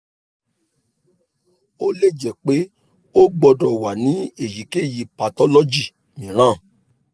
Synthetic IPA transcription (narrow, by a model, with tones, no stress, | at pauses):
o˦le˦˨d͡ʒɛ˨k͡pe˦ | o˦ɡ͡bɔ˧dɔ˨wa˨nĩ˨˦e˨ji˨ke˦˨ji˨˧pa˧tɔ˦lɔ˦d͡ʒi˦˨ | mĩ˨ɾ̃ã˦˨